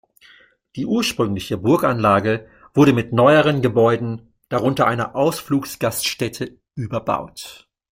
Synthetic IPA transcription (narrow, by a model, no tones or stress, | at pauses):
d̥iːʔuːɐʃpʁ̥ʏŋlɪçəbʊɐkanlaːɡə | v̥ʊɐɾəmɪtnɔʏəʁ̞ənɡəbɔʏdn̩ | d̥aʁʊntɐʔaɪnɐ̰ʔaʊsfluːksɡ̥astʃtɛtʰə | ʔyːbɐba̰ʊt